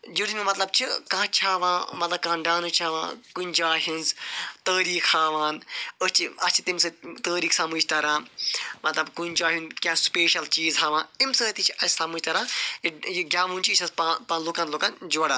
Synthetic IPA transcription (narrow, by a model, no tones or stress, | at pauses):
d͡ʒiɾmimɐt̪lɐb̚t͡ʃʰikãːt͡ʃʰaːʋãːmɐt̪lɐb̚kãːɖaːnɨt͡ʃʰaːʋã̰ːkunʲd͡ʒaːɦinzt̪əːɾiːxhaːʋaːnət͡ʃʰiɐst͡ʃʰi̥t̪imsɨt̪əːɾiːksaːmuːd͡ʒt̪ɐɾãːmɐt̪lɐbkund͡ʒaːɦũnkʲãːspeːʃɐlt͡ʃiːzɦaːʋãːimsəːt̪it͡ʃʰiʔɐssamud͡ʒʲt̪ɐɾãːijɡʲaːmũːnt͡ʃiːt͡ʃʰɐzpapãnluːkãnloːkãnd͡ʒoɽaː